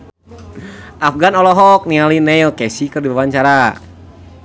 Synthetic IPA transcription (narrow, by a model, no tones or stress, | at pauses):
ʔafɡanɔlɔɦɔk̚nialinɛilkɛsikɨrdibabaɲt͡ʃaɾa